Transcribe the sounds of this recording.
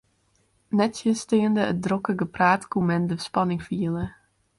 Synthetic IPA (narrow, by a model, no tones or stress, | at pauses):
nɛtsjəstɪəndəət̚drokəɡəpraːtkumɛndəspɑnɪŋfiəlˠə